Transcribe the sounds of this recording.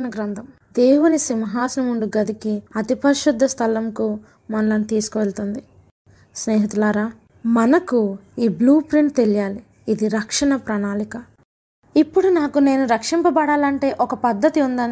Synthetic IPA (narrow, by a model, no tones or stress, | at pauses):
nɐɡɾɐnd̪ɐm | d̪eːwunisimɐɦaːsɐnɐmuɳɖuɡɐd̪ikiɐt̪ipɐɾʃud̪ʱːɐst̪ʰɐlɐmku | mɐnɐlɐnit̪iːsu̥kuʋelt̪und̪i | sneːɦit̪ulaːɾaː | mɐnɐkuiːbluːpɾiɳʈt̪elijaːliː | d̪iɾɐkʂɐɳɐpɾɐnaːlikɐ | ipːuɽunaːkune̞ːnuɾɐkʂimpɐbɐɽaːlɐɳʈe̞ːʔɔkɐpɐd̪ːɐt̪iund̪aːni